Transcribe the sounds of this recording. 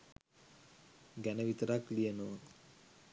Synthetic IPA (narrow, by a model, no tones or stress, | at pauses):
ɡænəʋit̪əɾaklijənoː